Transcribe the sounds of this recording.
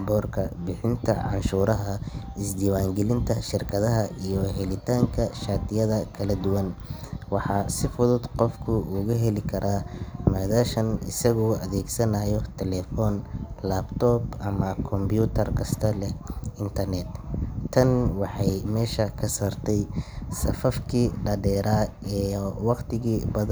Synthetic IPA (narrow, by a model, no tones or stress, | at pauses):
bɔːrkʰɐbɪħɪnt̪ʰɐ̰ʕɑ̰nʃuːɾɐɦɐɪsd̪iːwaːŋɡɛlɪnt̪ʰɐʃɪrkʰɐðɐɦɐʔijɔɦɛlɪt̪ʰaːŋkʰɐʃaːt̪ʰɪjɐðɐkʰɐlɐd̪ʊwɐnwɑħɑːsɪfʊðʊd̪qɔfkʰʊʔʊɣʊɦɛlɪkʰɐɾʔaːmaːðaːʃɐnɪ̰sɐɣɔːɐ̰ðɛːɡsɐnajɔt̪ʰɛlɛfɔnlaːbt̪ʰɔːbʔɐmɐkʰɔmbjuːt̪ʰɐrkʰɐst̪ʰɐlɛɪnt̪ʰɐrnɛt̪t̪ʰɐnwɑħɑjmɛːʃɐkʰɐsaːrt̪ʰɛjsɐ̰fɐfkʰiːɖɐɖɛːɾaːɛːwɑqt̪ʰɪɣiːbɐð